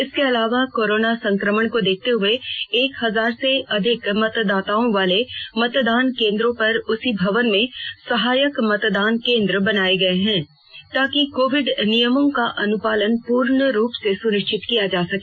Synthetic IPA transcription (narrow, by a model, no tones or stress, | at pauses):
ɪskeɐlaːʋakoːɾoːnasɐ̃ŋkɾəməɽ̃kod̪eːk̚ʰt̪eɦʊeeːkɦɐzaːɾseɐd̪ʱɪkmɐt̪d̪aːt̪aːõʋaːlemɐt̪d̪aːnkẽːnd̪ɾõpɐɾʊsibʱɐʋənmẽsɐɦaːjəkmɐt̪d̪aːnkẽːnd̪ɾəbɐnaːeɡɐeɦɛ̃ː | t̪aːkikoːʋɪɖnijəmõkaʔɐnʊpaːlənpuːɾɳəɾuːpsesʊnɪʃt͡ʃɪt̪kijad͡ʒaːsɐkeː